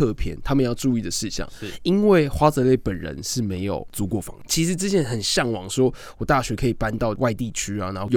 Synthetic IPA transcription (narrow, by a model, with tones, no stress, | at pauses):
ɤ˥˧pʰjɛ̰˥˧˦nt̪ʰa˥mə˨njɑ˥˧ʊʈ͡ʂu˥˧i˥˩d̪ə˩ʂɻ̩˥˧ɕɑ̰˥˩ŋi˦˥nwe˥˨˩ɪxwa˥t͡sɤ˧˦le˥˩ɪpə˨˩nɻə̰˧˦nʂɻ̩˥˩me˧˥ɪjo̰˨˩ʊt͡su˧˥kwɔ˥˩fɑ̰˧˦ŋt͡ɕʰi˧˥ʂɻ̩˧˦t͡s̩˥˧t͡ɕʰjɛ˥˩nxə˨˩nɕjɑ˥˩ŋwɑ̰˨˩˦ŋʂwɔ˥ | wɔ˨˩t̪a˥˩ɕɥɛ˧˥kʰɤ˧˥i˨˩pa˥nt̪ɑ˥˨ʊwa˥˧ɪt̪i˥˩t͡ɕʰy˥a˨na˨˧˦xo˥˩